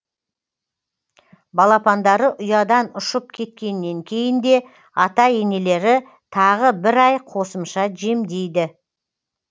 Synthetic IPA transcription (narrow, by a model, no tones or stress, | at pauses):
bɑlˠɑpɑnd̪ɑɾəʔʊjɑd̪ɑnʊʃəp̚kʲʰe̞t̪̚kʲe̞nːe̞ŋkʲʰe̞jɪnd̪e̞ | ɑt̪ɑe̞ne̞le̞ɾɪ | t̪ʰɑʁəbɪɾɑjqʰo̞səmʃɑʒe̞md̪e̞jd̪ɪ